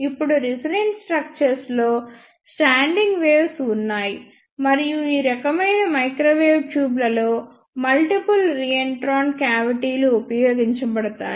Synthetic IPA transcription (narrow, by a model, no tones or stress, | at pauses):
ipːuɽuɾisɾenɖsʈɾɐk̚t͡ʃɐɾslo̞ː | sʈaːɳɖiŋɡʋeːʋsunːaːji | mɐɾijuiːɾɐkɐmɐjnɐmɐjkɾoːʋeːʋʈjuːblɐlo̞ː | mɐlʈipulɾiːeɳʈɾaːɳkjaːʋiʈiːluupɐjoːɡiɲt͡ʃɐbɐɽɐt̪a̰ː